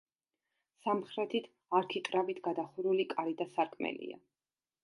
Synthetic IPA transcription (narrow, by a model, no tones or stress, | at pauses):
samχɾɛt̪ʰit̪ʰ | aɾkʰit̪ʼɾavit̪ʰɡad̪aχuɾulikʼaɾid̪asaɾkʰmɛ̰lḭa̰